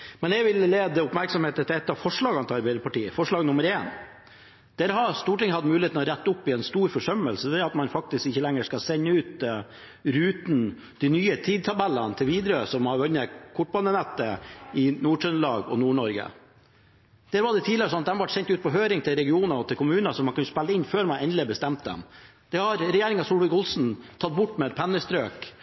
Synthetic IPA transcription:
mɛnɛɡʋɪlleːd̪əʊpmæɾksɔmheːt̪ət̪ʰɪlɛt̪ːɑʋfɔʂɭɑːɡɑnt̪ʰɪɑɾbæɪd̪əpʰɑʈiːəfɔʂɭɑːɡnʊməɾeːn | d̪̥æɾɦɑɾst̪uːʈɪŋəhɑd̪mʉːlɪheːt̪n̩ɔɾæt̪ːəʊpːɪɛnst̪uːɾfɔʂœmːəlsəd̪ɛɾɑt̪mɑnfɑk̚t̪ɪskɪçːəlɛŋːəʂkɑsɛɲːəʉːt̪ | ɾʉːt̪n | d̪̥inyːət̪ʰiːd̪̚t̪ʰɑbælːənt̪ʰɪlʋiːd̪ɾəsɔmhɑɾʋœnːəkʰʊʈ̚ːbɑnːənæt̪ːəɪnuːʈœnəlɑːɡɔnuːɳɔɾɡə̰ | d̪̥æːɾʋɑɖɛt̪ʰiːd̪lɪəɾsɔnɑt̪d̪ɛmɑʋɑʈsɛnʲt̪ʉːt̪̚pʰɔɦøːɾɪŋt̪ɪlɾɛɡɪuːnɔt̪ʰɪlkʰʊmʉːnɑsɔmːɑnkʉnːspælːəɪnːføːɾmɑnɛnd̪lɪbəst̪ɛmt̪̚d̪ɛ̰m | d̪̥ɛhɑɾɾɛjeːɾɪŋɑsuːlʋɪkʊlsn̩t̪ʰɑt̪̚ːbʊʈːmɛɛt̪̚pʰɛnːəst̪ɾøːk

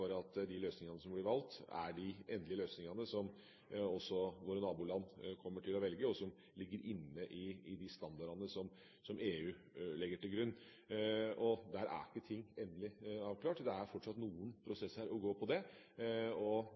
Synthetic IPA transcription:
ɑɾəɑt̪d̪ɪløːsnɪŋɑnəsɔmblɪɾʋɑlt̪æ̰ɖɪɛnd̪lɪəløːsnɪŋɑnəsɔm | ɔsːɔʋʊɾnɑːbuːlɑnːkʰɔmːəʈʰɪlɔʋɛlɡəɔsɔm | lɪɡːəɾʔɪnːəʔɪɪd̪ɪst̪ɑnd̪ɑɖɑnəsɔm | sɔmeːʉː | lɛɡːəʈɪlɡɾʉnː | ɔd̪æɾʔæ̰ɾɪkːət̪ʰɪŋːɛnd̪əlɪɑːʋklɑːʈd̪ɛæɾfɔʈʂɑt̪nuːənpʰɾʊsɛsːæɾʔɔɡoːpʰɔd̪ɛ | ɔ

